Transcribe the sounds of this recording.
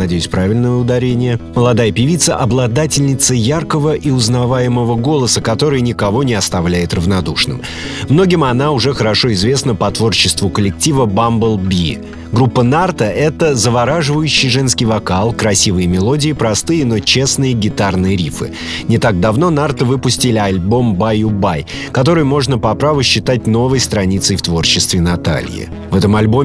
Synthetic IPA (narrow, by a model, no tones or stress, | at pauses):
nɐdʲejʉsʲpɾavʲɪlʲnəjəʊd̪ɐɾʲenʲɪjəməlˠɐd̪ajəpʲɪvʲit̪sːəʔɐblˠɐd̪atʲɪlʲnʲɪt̪səjarkəvəʔiʊznɐvajɪməvəɡo̞lˠəsəkɐt̪o̞ɾɨjnʲɪkɐvo̞nʲɪɐst̪ɐvlʲæjɪt̪rəvnɐd̪uʂnɨ̰m | mno̞ɡʲɪmɐn̪aʊʐɛxəɾɐʂo̞ɪzvʲe̞snəpɐt̪vo̞rt͡ɕːɪst̪vʊkəlʲɪk̚tʲivəbambəlˠbʲi | ɡɾupːənart̪əʔɛt̪əzəvɐɾaʐɨvəjʉɕːɪjʐɛnskʲɪjvɐkalˠkɾɐsʲivɨjəmʲɪlˠo̞dʲɪɪpɾɐst̪ɨjəno̞t͡ɕe̞snɨjəɡʲɪt̪arnɨjəɾʲifɨ̰ | nʲɪt̪aɡ̚d̪ɐvno̞nart̪əvɨpʊsʲtʲɪlʲɪɐlʲbo̞mbajʊbaj | kɐt̪̬o̞ɾɨjmo̞ʐnəpɐpɾavɨɕːɪt̪at̚ʲno̞vəjst̪ɾɐnʲit̪səjft̪vo̞rɕɪst̪vʲɪnɐt̪a̰lʲjɪ̰ | vɛt̪əmɐlʲbomʲ